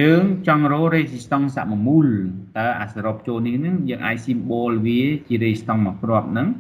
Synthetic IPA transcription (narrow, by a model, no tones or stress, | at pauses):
jəːŋt͡ɕɑŋroːɾeːsist̪oŋsa̰ʔmɔmult̪aəʔa̰saɾop̚t͡ɕoːlnihnɨŋjəːŋʔa̰ːc̚simɓoːlʋiət͡ɕiəɾeːst̪ɑŋmɑprŏəp̚nɨŋ